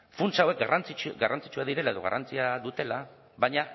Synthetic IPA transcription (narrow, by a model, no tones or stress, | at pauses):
funsawe̞k̚ɡarant͡siɡarʔant͡si̥t͡ʃuaðiɾe̞lae̞ðo̞ɣ̞a̰rʔant͡siaðut̪e̞la | βajɲa